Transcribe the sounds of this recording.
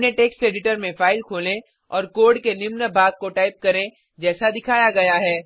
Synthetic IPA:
neʈeːksʈeːɖɪʈəɾmẽfaːɪlkʰoːlẽ | ɔːɾkoːɖkenɪmnəbʱaːɡ̚koʈaːɪp̚kɐɾẽ | d͡ʒɛːsad̪ɪkʰaːjaɡɐjaɦɛː

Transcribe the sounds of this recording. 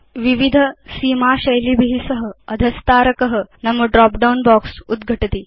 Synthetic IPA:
ʋiʋid̪ʱəsiːmaɕɐjlibʱiɦisəɦəəd̪ʱəst̪aːɾəkəɦənɐməɖɾɔpɖaunbɔksud̪ɡʱəʈt̪iː

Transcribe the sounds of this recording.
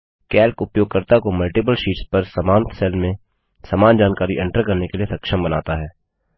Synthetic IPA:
kɛːlkʊpjoːɡ̚kəɾt̪akomɐlʈɪp̬əlʃiːʈspɐɾsamaːnt̪sɛːlmẽ | saːmaːnd͡ʒaːnkaːɾiʔɛ̃ɳʈəɾkɐɾnekeliesɐkʃəmbɐna̰ːt̪aɦɛː

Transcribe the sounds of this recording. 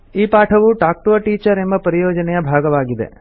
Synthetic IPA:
iːpaːʈʰɐʋuʈaːk̚ʈuɐʈiːt͡ʃɐɾembɐpɐɾijoːd͡ʒɐnɛjɐbʱaːɡɐʋaːɡid̪ḛ

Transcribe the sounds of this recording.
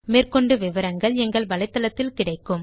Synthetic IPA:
meːrkɔɳɖɯʋɪʋɐɾɐŋɡɐɭɛŋɡɐɭʋɐɭɐɪt̪ːɐlɐt̪ːɪlkɪɽɐɪkːɯm

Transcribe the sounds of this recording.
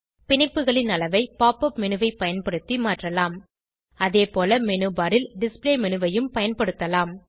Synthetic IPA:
pɪɳɪpːɯɣɐɭɪnɐlɐʋɐɪpaːpɐpmɛnɯʋɐɪpɐjɐnpɐɽɯt̪ːimaːʈrɐlaːm | ɐðeːpoːlɐmɛnɯbaːɾɪlɖɪspleːmɛnɯʋɐjɯmpɐjɐnpɐɽɯt̪ːɐlaːm

